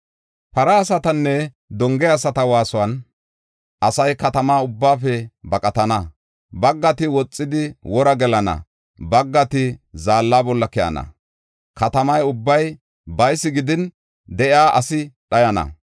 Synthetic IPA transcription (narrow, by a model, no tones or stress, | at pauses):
pɐɾɐːsɐt̪ɐnːɛ | d̪ɔŋɡɛːsɐt̪ɐwaːsʊɐn | ʔɐsɐjkɐt̪ɐmaːʊbːaːfɛbɐkʼɐt̪ɐnɐ | bɐɡːɐt̪ɪwɔt͡sʼːɪd̪ɪwɔɾɐɡɛlɐnɐ̰ | bɐɡːɐt̪ɪzaːlːaːbɔlːɐkɛʔɐ̰nɐ̰ | kɐt̪ɐmɐjʊbːɐj | bɐjsːɪɡɪd̪ɪn | d̪ɛʔɪaːʔɐsɪɗɐjɐnɐ̰